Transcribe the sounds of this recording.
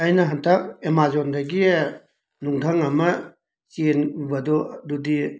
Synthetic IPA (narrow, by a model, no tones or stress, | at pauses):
ɐjnɐɦɐntʰɐk̚emazondɐɡi | nuŋdʰʱɐŋɐmɐ | t͡ʃenubɐdɔdudi